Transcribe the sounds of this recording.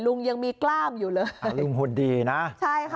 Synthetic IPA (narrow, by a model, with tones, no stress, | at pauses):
lu˧ŋja˧ŋmiː˧klaː˥˩mjuː˨˩lɤː˧lu˧ŋhu˨˩ndiː˧na˦˥t͡ɕʰa˥˩jkʰ